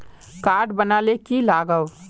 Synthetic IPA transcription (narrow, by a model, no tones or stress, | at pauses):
kaːɖbənaːlekilaːɡəw